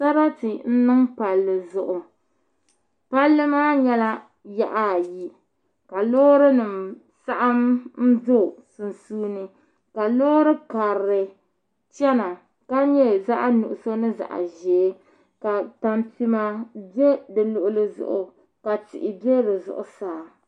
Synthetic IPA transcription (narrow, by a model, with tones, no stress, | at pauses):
sa˦ɾa˦ti˨n̩˦nɨ˦ŋpa˨lːɨ˨zʊ˨ʔʊ˨ | pa˦lːɨ˦maː˦ɲɛ˦la˦ | ja̰˦ʔa˦˨ji˦ | ka˨loː˦ɾɨ˦nɨ˨m | sa˦ʔa˦mn̩˦zo˦˨su˨nsuː˦nɨ˦ | ka˨lo˦ɾɨ˦ka˨ɾɾɨ˨ | t͡ʃɛ˦na˨ | ka˦ɲɛ˦za˦ʔa˦nu˨ʔʊ˨so˦nɨ˦za̰˨ʔa̰˨ʒeː˨˦ | ka˨ta˨npi˦ma˦bɛ˦dɨ˨lʊ˨ʔʊ˨lɨ˨zʊ̰˨ʔʊ̰˨ | ka˨tɪ̰˨ʔɪ˨bɛ˦dɨ˨zʊ̰˨ʔʊ˨saː˨˦˨